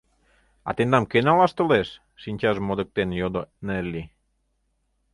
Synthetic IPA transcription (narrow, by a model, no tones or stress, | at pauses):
ɑ̰t̪end̪ɑmkenɑlɑʃt̪oleʃ | ʃinʲt͡ɕɑʃmod̪ə̆k̚t̪enjod̪onelʲːi